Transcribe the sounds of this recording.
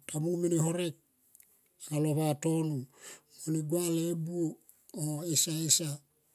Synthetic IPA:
tamumeneɦo̞ɾek̚ | alo̞βato̞numoniɡwalebuo | oesaesa

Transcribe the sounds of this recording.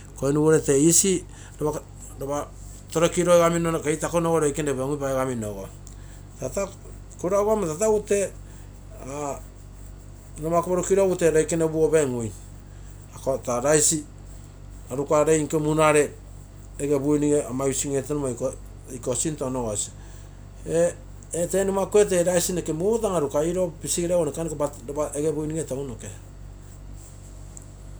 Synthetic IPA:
koinuβoɾeteisi | ɾoβa | ɾoβa | toɾokiɾoeɡaminokejtakonoɡoɾojkeneβeŋupaeɡaminoɡo | tata | koɾaɡuamatataute̞ | a | nomakoβoɾokiɾouteɾojkenebuobeŋuj | akotaɾajsi | aɾukaɾejŋkemunaɾe̞ː | ɡebujniŋeamajusiŋetenumako | jkosintonoɡosi | e | etenumakoe̞t̬eɾajsinekemut̬aŋaɾukaiɾopisiɾawonekanikoba | aeɡebujniŋetaunoke

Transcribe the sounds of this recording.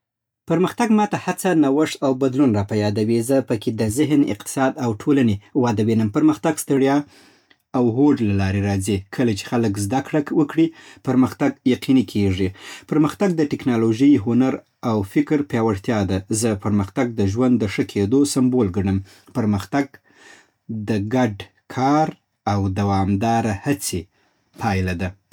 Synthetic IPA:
pəɾməxt̪aɡmɑt̪ahat͡sanawəʂt̪awbad̪lunɾɑpajɑd̪awizəpəkʰed̪əzɪɦnɪ̰q̚t̪ɪ̥sɑd̪awʈʰolanewɑd̪awenəmpəɾməxt̪aɡst̪əɽjɑ | awɦoɖlalɑɾeɾɑzikʰəlat͡ʃe̥xaləkzd̪akɽakwəkɽipəɾməxt̪aɡjaqinikʰeʐipəɾməxt̪aɡ̚d̪əʈɪknɑloʒəjɦʊnaɾ | awfɪkɾpjɑwaɽt̪jɑd̪azəpəɾməxt̪aɡ̚d̪əʒwand̪ːəʂəkʰed̪osambolɡaɽ̃əm | pəɾməxt̪aɡ̚ | d̪əɡaɖ | kʰɑɾ | awd̪awɑmd̪ɑɾahat͡se | pʰɑjlad̪a

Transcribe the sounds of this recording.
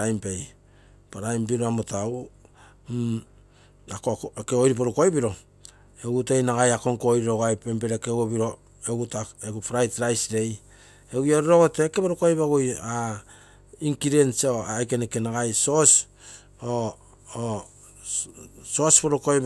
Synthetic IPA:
ajmpej | paɾajmbiɾoamotawu | akokeojɾip̬oɾukojbiɾo̞ | eɡutejnaɡajako̞ŋkojɾiɾoɡoajpempeɾekeɡobiɾo̞ | eɡutaeɡupɾajtɾajsɾe̞j | eɡujoɾɾoɡotekepoɾukajpaɡoja | iŋkiɾensoajkenekenaɡajsos | o | sospoɾukoj

